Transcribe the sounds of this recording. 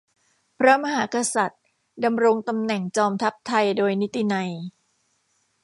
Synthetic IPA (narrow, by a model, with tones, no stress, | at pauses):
pʰɾa˦˥ma˧ɦaː˩˦ka˧sa˨˩t̪̚ | da˧mɾo˧ŋt̪a˧mnɛ˨˩ŋt͡ɕɔː˧mt̪ʰa˦˥p̚t̪ʰa˧jdoː˧jni˦˥t̪ːi˧˨na˧j